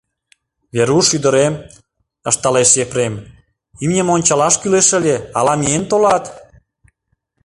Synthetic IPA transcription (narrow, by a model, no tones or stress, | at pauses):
βeɾuʃyd̪ə̆ɾem | əʃt̪ɑleʃjefɾem | imnʲemonʲt͡ɕɑlɑʃkyleʃəlʲeɑlɑmient̪olɑt̪